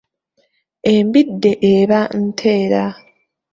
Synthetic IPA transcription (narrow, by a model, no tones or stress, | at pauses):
embidːe̞ʔeβan̩tʰe̞ːɾa